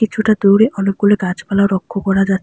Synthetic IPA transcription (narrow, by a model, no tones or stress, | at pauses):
it͡ɕʰuʈad̪oɾeʔɔlop̚ɡuleɡad͡ʑpalaoɾɔkʰːokɔɾad͡ʑatː